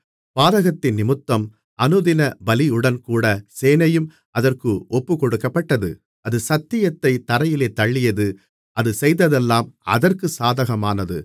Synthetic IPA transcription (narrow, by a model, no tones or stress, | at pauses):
paːðɐɣɐt̪ːɪnːɪmɯt̪ːɐm | ɐnɯðɪnɐbɐlɪɯɽɐnkuːɽɐseːnɐjɯm | ʔɐðɐrkɯɔpːɯkɔɽɯkːɐpːɐʈːɐðɯ̰ | ʔɐðɯsɐt̪ːɪjɐt̪ːɐɪt̪ːɐɾɐjɪleːt̪ɐɭːɪjɐðɯ | ʔɐðɯsɛjðɐðɛlːaːmɐ̰ðɐrkɯsaːðɐɣɐmaːnɐðɯ̰